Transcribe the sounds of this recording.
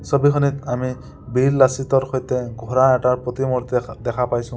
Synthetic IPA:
sɔbikʰɔnit̪ami | bilːasit̪ɔɾxɔjt̪ɛɡʱɔɾaɛʈaɹpɔt̪imɔɾt̪d̪ɛkʰapajsʰũ

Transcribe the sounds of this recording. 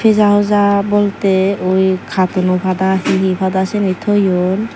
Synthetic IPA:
pʰezaɦozabolt̪eojkʰat̪onobʰʱad̪aɦiɦibʰad̪asenit̪ʰojon

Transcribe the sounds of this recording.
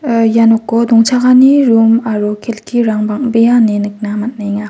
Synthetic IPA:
janɔkːɔdɔŋt͡ʃʰaɡaniɾumaɾokʰelkʰiɾaŋbaŋbejanenɯk̚namat̚najŋa

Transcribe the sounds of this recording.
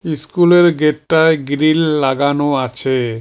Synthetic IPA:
iskuleɾɡeʈʈaeɡɾilːaɡanoat͡ɕʰe

